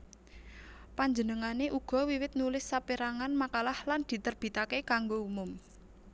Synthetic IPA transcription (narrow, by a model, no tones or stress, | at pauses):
paɲd͡ʒənəŋaneʔuɡ̥ɔ̤wiwɪt̪̚nulɪsːapiɾaŋanmakalahland̪̥i̤t̪ərb̥i̤t̪akekaŋɡoumʊm